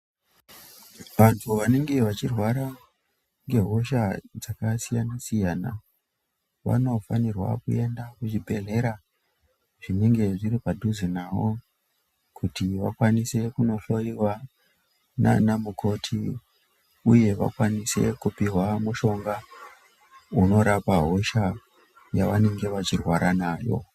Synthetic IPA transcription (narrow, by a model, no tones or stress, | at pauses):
ʋantʰuʋane̞ŋɡe̞ʋat͡ʃirwaɾa | ŋɡe̞ɦo̞ʃad͡zakasijanasijaːna̰ | ʋa̰no̞fanirwa̰kṵe̞ndakut͡ʃibʱe̞ɮe̞ɾa | ʐine̞ŋɡe̞ʐiɾipadʱuzinawo | kʰutiʋakwanise̞kuno̞ɬo̞iwa | na̰namukʰo̞tʰi | uje̞ʋa̰kwanise̞̰kupiɦwamuʃo̞ŋɡa | uno̞ɾapaɦo̞ʃa | jaʋane̞ŋɡe̞ʋat͡ʃirwaɾʔanaːjo̞̰